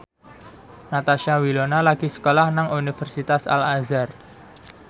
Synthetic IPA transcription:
nat̪aʃawilonalaɡ̥isə̥kolahnaŋunifɛrsit̪asa̰lazar

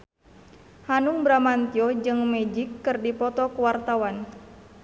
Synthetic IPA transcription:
hanuŋbɾamant̪iɔd͡ʒɨŋmɛd͡ʒikːɨrdipɔt̪ɔkuwart̪awan

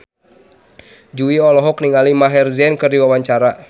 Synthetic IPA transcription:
d͡ʒuiɔlɔɦɔk̚niŋalimaɦɛrzɛnkɨrdiwawaɲt͡ʃaɾa

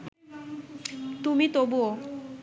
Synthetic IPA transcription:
t̪umit̪obo

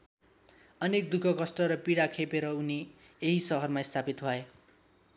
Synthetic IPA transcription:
ʌnek̚d̪ukʰʌkʌsʈʌɾʌpiɽakʰepeɾʌunieɦisʌɦʌrmaist̪ʰapit̪bʱʌe

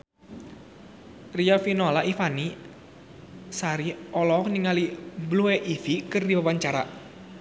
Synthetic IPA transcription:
riafinɔlaʔifani | saɾiɔlɔkniŋaliblueʔifikərdiwawaɲt͡ʃaɾa̰

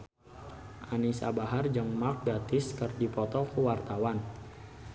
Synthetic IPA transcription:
ʔanisa̰baɦard͡ʒəŋmak̚ɡat̪ɪskərdipɔt̪ɔkəwart̪awan

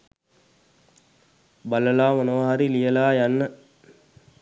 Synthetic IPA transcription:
baləlaːmɐnəʋaɦaɾilijəlaːjanːə

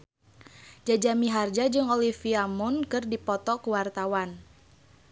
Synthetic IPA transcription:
d͡ʒad͡ʒamiɦard͡ʒad͡ʒɨŋolifiamʊnkɨrdipɔt̪ɔkuwart̪awan

